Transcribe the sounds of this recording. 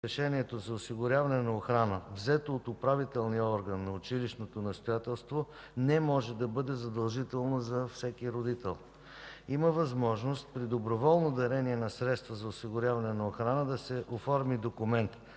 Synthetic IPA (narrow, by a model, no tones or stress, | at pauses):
ɛʃɛniɛt̪ozɐʊsiɡʊɾʲavɐnɛnɐoxɾanəvzɛt̪oːt̪ʊpɾavit̪ɛlˠnijəɔɾɡənːɐʊt͡ʃiliʃnot̪onɐfst̪ojat̪ɛlˠst̪vo | nɛmɔʒɛd̪ɐbɤd̪ɛzɐd̪ɐlˠʒit̪ɛlˠnozɐfsɛkiɾod̪it̪ɛlˠ | iməvɐzmɔʒnost̪̚pɾid̪obɾovɔlˠnod̪ɐɾɛniɛnɐsɾɛt̪st̪vəzɐosiɡʊɾʲjavɐnɛnɐoxɾanəd̪ɐsɛʔofɔɾmid̪okʊmɛnt̪